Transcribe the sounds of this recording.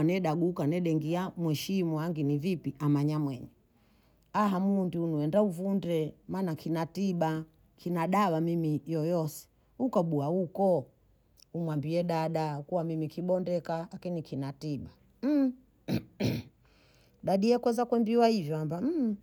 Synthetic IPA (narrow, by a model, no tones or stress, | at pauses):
anɛɗaɡukanɛɗɛŋɡiamwɛʃimuaŋɡinivipiamaɲamwɛɲɛ | aɦamundiunuɛndauvundɛmaːnakinatiɓa | kʰinaɗawamimijɔjɔsɛ̥ | hukɔɓuahukɔ | umwambiɛɗaɗaukuwamimikiɓɔndɛkalakinikʰinatiɓa | m̩ | ɗaɗijɛkwɛzakwɛmbiwahivjɔambam̩